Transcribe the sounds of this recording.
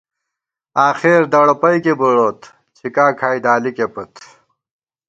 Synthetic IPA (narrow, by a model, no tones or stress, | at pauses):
aːxeɾd̪ɐɽɐpɐjkebuɽoːt̪ | t͡ɕʰikaːkʰaːjd̪aːlikepɐt̪